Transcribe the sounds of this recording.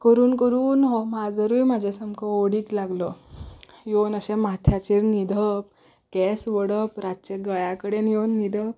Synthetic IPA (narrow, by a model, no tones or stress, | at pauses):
kəɾuːnkəɾuːnɦɔmad͡zəɾujm̤ad͡ʑʱesəmkʰəoɽiːklaɡlɔ | jonəɕɛmat̪ʰjat͡ɕeɾnid̪ʱəp̚ | kɛsʋəɽəpɾat͡ɕeɡəjakəɽenjonːid̪ʱəp̚